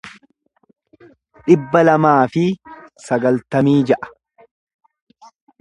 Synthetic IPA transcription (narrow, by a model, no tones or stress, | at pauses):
ᶑɪbːɐlɐmaːfɪsɐɡɐlt̪ɐmiːd͡ʒɐʔɐ̥